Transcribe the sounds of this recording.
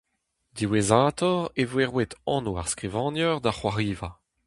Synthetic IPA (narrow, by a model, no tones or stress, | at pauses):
d̪iwezaːt̪ɔʁevweʁwet̪ɑ̃nua̰ʁskʁivɑ̃ːnjɔʁd̪aχwaʁiːva